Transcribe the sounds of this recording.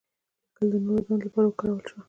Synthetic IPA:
kəld̪ənoɾod̪and̪lapɑɾawəkaɽawəlʃwa

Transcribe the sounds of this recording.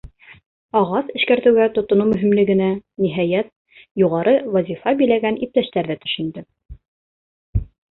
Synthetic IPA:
ɑʁɑsɘ̆ʃkæɾt̪ɘ̆wɡæt̪ŏt̪ŏnumɵ̆ɦimlɘ̆ɡɘ̆næniɦɑjæt̪̚ | juʁɑɾɤwɑzʲifɑbɘ̆jlæɡænip̚t̪æʃt̪æɾðæt̪ɵ̥̆ʃɵ̆nd̪ɘ

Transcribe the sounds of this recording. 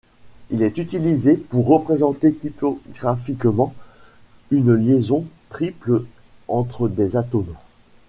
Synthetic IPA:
ilɛt̪yt̪ilizepuʁːəpχezɑ̃t̪et̪ipɔɡʁafikmɑ̃ | ynljezɔ̃t̪χipl | ɑ̃t̪χəd̪ezat̪om

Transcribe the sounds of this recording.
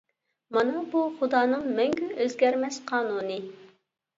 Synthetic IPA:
mɑnɑbuχud̪ɑːnɨŋmɛŋɡʲynøzɡʲɛɾmɛsqʰɑːnuːnɨ

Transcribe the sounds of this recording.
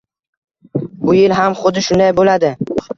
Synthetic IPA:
bʊjɪlɦamχʊd̪ɪʃʊnd̪ajbolad̪ɪ

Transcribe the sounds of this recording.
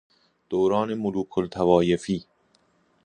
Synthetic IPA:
d̪̥owɾɒːnemʊluːkʰolt̪ʰævɒːjefiː

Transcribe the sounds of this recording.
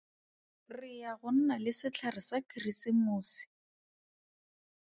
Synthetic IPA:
rɪjaɣʊn̩nalɪsɪt͡ɬʰarɪsakʰirisimuːsi̥

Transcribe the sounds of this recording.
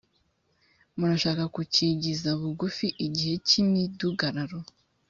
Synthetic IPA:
muɾaʃaːkakuciɟizaβuɡufiʔiɟihe̞cimiduɡaɾaɾo

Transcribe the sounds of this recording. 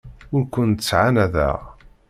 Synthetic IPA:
ʊɾkʷənəsʕanæðæ̰ʁ

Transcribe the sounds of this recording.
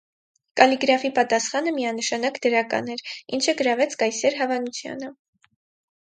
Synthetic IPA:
kɑliɡɾɑfipɑt̪ɑsχɑnəmiɑnəʃɑnɑkd̪əɾɑkɑ̰nɛɾint͡ʃʰəɡəɾɑvɛt͡sʰkɑjsɛɾɦɑvɑnut͡sʰjɑ̰nə

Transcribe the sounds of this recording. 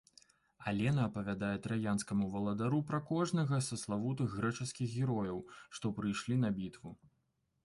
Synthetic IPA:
alʲɛnɐːpɐvʲad̪ajɛt̪ɾajanskɐmuvɐlˠɐd̪aɾupɾɐkɔʐnɐɣɐsɐslˠavut̪ɨxːɾɛt͡ʂɨskʲixɣʲɛɾɔjɐwʂt̪ɔpɾɨjʂlʲinɐbʲit̪vu

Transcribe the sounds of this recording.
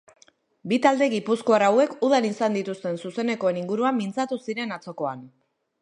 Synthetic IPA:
bit̪ald̪e̞ɣipuskoaɾawe̞kuð̞anisand̪it̪ust̪e̞nsuse̞ne̞koe̞niŋɡuɾuamːint͡sat̪usiɾe̞nat͡so̞ko̞an

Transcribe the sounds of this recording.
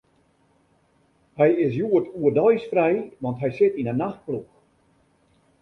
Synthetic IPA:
hɛjɪs̬juətʰuərdɔjsfrɛjʋɑntɦɛjsɪtinənaxt̚plux

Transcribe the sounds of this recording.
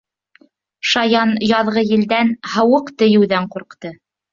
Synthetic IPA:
ʃɑjɑnjɑðʁɤjɘ̆ld̪ænhɤ̆wɤqt̪ɘ̆jɘ̆wðæɴquɾqt̪ɤ

